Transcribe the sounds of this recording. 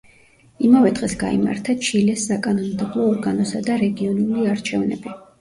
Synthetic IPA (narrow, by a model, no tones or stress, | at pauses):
imavɛd̪ʁɛsɡa̰ḭma̰ɾt̪ʰat͡ʃʰilɛsːakʼanɔmd̪ɛblˠɔːɾɡanɔsad̪aɾɛɡiɔnuliaɾt͡ʃʰɛvnɛ̰bi